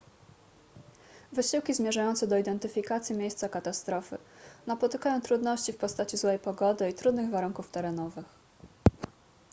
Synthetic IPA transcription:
vɘɕiwkʲizmʲjɛʐajɔnt̪sɛd̪ɔid̪ɛnt̪ɘfʲikat̪sʲjimʲjejst̪sakat̪ast̪ɾɔfɘ̰napɔt̪ɘkajɔ̃w̃t̪ɾud̪nɔɕt͡ɕifpɔst̪at͡ɕizwɛjpɔɡɔd̪ɘit̪ɾud̪nɘɣvaɾuŋkuft̪ɛɾɛnɔvɘx

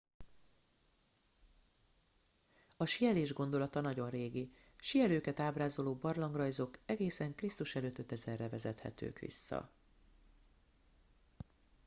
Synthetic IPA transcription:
ɒʃijɛleːʒɡo̞nd̪o̞lɒt̪ɒnɒɟo̞nreːɡi | ʃijɛløːkɛt̪aːbraːzo̞loːbɒrlɒŋɡrɒjzo̞kɛɡeːsɛŋkrist̪uʃɛløːt̪ːø̞t̪ɛzɛrːɛvɛzɛt̪hɛ̰t̪ø̰ːkʋḭsːɒ̰

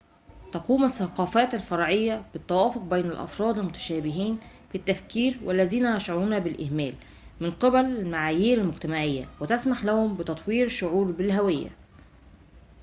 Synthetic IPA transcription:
t̪ɑquːmasːɑqɑːfæːt̪alfɑɾˤʕɪjːæb̥ɪt̪ːæwæːfoq̚bejnælʔɑ̰fɾˤɑːd̪ɪlmʊt̪æ̥ʃæːbɪɦiːn | fit̪ːæfkiːɾwælːæziːnæjæʃʕaɾuːnæbɪlʔɪhmæːl | mɪnqɪbællmaʕaːjiːɾɪlmʊɡt̪æmaʕɪjːæ̰wɪt̪æsmaħlæhʊmbɪt̪ɑt̪ˤwiːɾʃʊʕuːɾbɪlɦæwɪjːæ̰

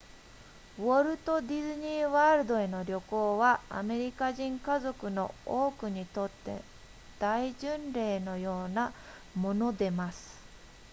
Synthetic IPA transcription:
βoɾɯ̟t̪o̞d̪ʲizɨɲ̟iːβaɾɯ̟d̪o̞e̞no̞ɾʲo̞ko̞ːβaa̰me̞ɾʲikaʑĩŋkazo̞kɯ̟no̞̰oːkɯ̟ɲ̟it̪o̞t̪ːe̞̰ | d̪̥aiʑɨ̃nɾe̞ːno̞jo̞ːna | mo̞no̞d̪e̞masɨ̥

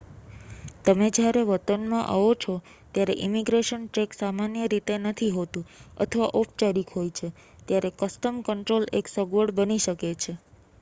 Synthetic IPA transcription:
t̪əmed͡ʒjaɾeʋət̪ənmãʔa̰ʋot͡ʃʰo | t̪jaɾeʔimiɡɾeʃənʈeksamanjəɾit̪enət̪ʰiɦot̪ũə̰t̪ʰəʋaʔɔpʰt͡ʃəɾikʰɦojt͡ʃʰe | t̪jaɾekəsʈəmkəɳʈɾoleksəɡʋəɽbəniʃəket͡ʃʰe

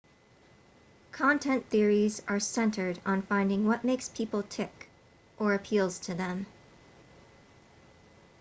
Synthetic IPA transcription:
kʰɑ̃ntʰɛ̃nθɪɹizə˞sɛ̃ntʰə˞ɾn̩fãɪ̃ndɪ̃ŋwʌʔ̚meɪkspʰipl̩ˠtʰɪk | ʔə˞ɨpʰilˠz̥tʰɨðɨ̃m

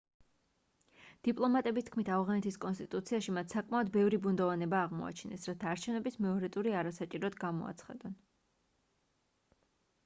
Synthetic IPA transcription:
d̪̥ipʼlˠɔmat̪ʼɛbist̪̚ʰkʰmit̪ʰavʁanɛt̪ʰiskʼɔnst̪ʼit̪ʼut̪sʰiaʃimat̪ʰsakʼmaɔd̪bɛvɾibund̪ɔvanɛbaːʁmɔ̰a̰t͡ʃʰinɛsɾat̪ʰaːɾt͡ʃʰɛvnɛbismɛɔɾɛt̪ʼuɾiaɾasat͡ʃʼiɾɔd̪ɡamɔ̰a̰t̪sʰχa̰d̪ɔn

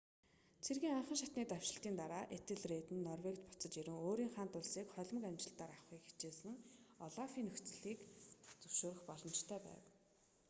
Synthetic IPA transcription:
t͡sʰerɣiːŋaɴχə̆ŋʃat̪niːt̪aw̥ʃɪ̆ɬt̪iːnt̪aɾaːʔet̪ɘ̆ɮreːt̪ɘ̆nːɔrwekt̪pʊ̥t͡sə̆t͡ɕiɾɘ̆ŋoːɾiːŋχaːnt̪ʊɮsiːkχœɮʲmə̆kamt͡ɕɪ̆ɬt̪aːɾaχwiːkxi̥t͡ɕeːsɘ̆ŋɔɮafiːnɵxt͡sɘ̆ɮiːkt͡sɵwʃoːɾɵ̆xpɔɮɞ̆mt͡ɕt̪ʰœːpæ̰ːw

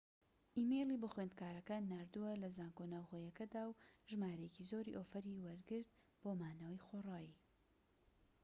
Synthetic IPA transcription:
ʔimejlibʊxwend̪̚kaːɾɐkaːnːaːɾd̪uwɐlɐzaːŋɡonaːwxoːjɐkɐd̪aːwʒɨmaːɾɐjecizoːɾḭʔoːfɐɾiwɐɾɡɨɾd̪̚ | b̥oːmaːnɐwɐjxorˤaːji

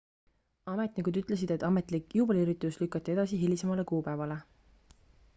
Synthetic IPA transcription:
ɑmet̪nikud̪yt̪ˑles̬id̪̥e̞t̪ːˑɑmet̪ˑlikjuːb̥eliɾit̪ːˑuslykːˑɑt̪ːˑee̞d̪̥ɑsiɦilisemɑle̞kuːpæevɑle̞

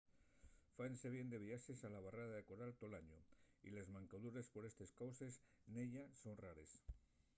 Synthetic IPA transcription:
fanse̞β̞je̞nd̪e̞βiaʃe̞salaβaraðaðekoɾalt̪o̞laɲoḭle̞zmãŋkaðuɾe̞spo̞ɾe̞st̪e̞skawse̞sneʎaso̞nraɾes

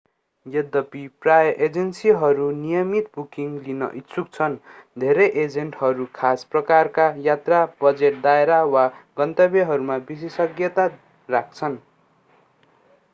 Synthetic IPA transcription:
jʌd̪ʌpiprajʌʔed͡zʌnsiɦʌɾunijʌmit̪̚bukiŋɡlinʌ̰ʔit̪sʰuk̚t͡sʰʌnd̪ʱeɾʌjʔed͡zeɳʈɦʌɾukʰasprʌkarkajat̪rabʌd͡zeʈ̚d̪aeɾawaɡʌnt̪ʌbeɦʌɾumabis̬esʌɡjʌt̪a | rak̚ʰt͡sʰʌn

